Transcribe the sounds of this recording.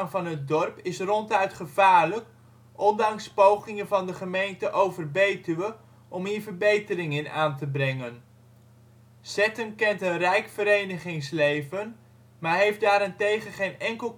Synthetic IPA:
ŋvɑnət̚dɔrpɪsrɔntœɥtχəvaːɹlək | ʔɔndɑŋspowχɪŋənvɑndəχəmejntəʔowvərbejtəʋə | ʔɔmɦiːɹvəɹbejtərɪŋɪnaːntəbrɛŋən | sɛtənkɛntənrɛjkfəɾejnəχɪŋslejvən | maːɹɦejfdaːɾɪntejχənχejnɛŋkəlˠ

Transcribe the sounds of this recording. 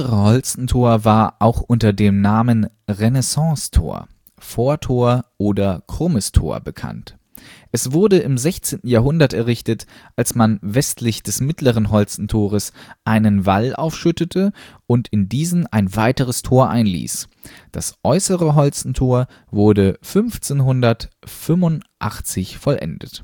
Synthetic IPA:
ʁəhɔlt͡sn̩tʰoːɐvaːɐʔaʊxʔʊntɐdeːmnaːmən | ʁenɛsɑ̃ːstʰo̰ːɐ | foːɐtʰoːɐʔoːdɐkʁ̥oməstʰo̰ːɐbəkʰa̰nt | ʔɛsv̥ʊɐdəʔɪmzɛçt͡seːntn̩jaːɦʊndɐtɛɐʁɪçtətʔalsmanvɛstʰlɪçd̥ɛsmɪtʰləʁ̞ənɦɔlt͡sn̩tʰoːʁ̞əsʔaɪnənvalʔa̰ʊfʃʏtətʰəʔʊntɪndiːzn̩aɪnvaɪtəʁəstʰoːɐʔa̰ɪnlḭːs | d̥asʔɔʏsəʁəɦɔlt͡sn̩tʰoːɐ | vʊɐdəfʏnft͡senɦʊndɐtfʏmʊntʔa̰χt͡sɪçfɔlʔɛ̰ndət

